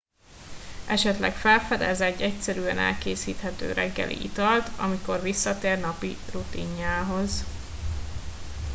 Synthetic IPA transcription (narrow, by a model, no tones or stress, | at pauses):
ɛʃɛt̪lɛ̰kfɛlfɛd̪ɛ̰zɛɟːɛcsɛɾyːɛnɛ̰lkeːsiːt̪hɛt̪ø̰ːɾɛɡːɛ̰lʔḭʔḭt̪ɒlt̪ʰɒmiko̞rvisːɒt̪eːrnɒpirut̪iɲːaːɦo̞z